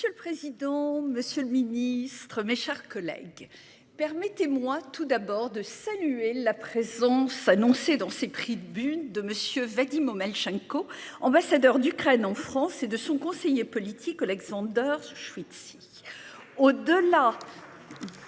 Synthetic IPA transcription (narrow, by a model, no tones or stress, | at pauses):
məsjøləpχezid̪ɑ̃məsjøləminist̪χəmeʃɛʁkɔlɛ̰ɡ | pɛʁmɛt̪emwat̪ud̪abɔʁd̪əsalyelapχezɑ̃sanɔ̃sed̪ɑ̃sepχid̪əbyd̪əməsjøvad̪imomalʃɛ̃koɑ̃basad̪œʁd̪ykχɛnɑ̃fχɑ̃sed̪əsɔ̃kɔ̃sejepɔlit̪ʰikɔlɛɡzɑ̃d̪œʁʃwit̪si | od̪əla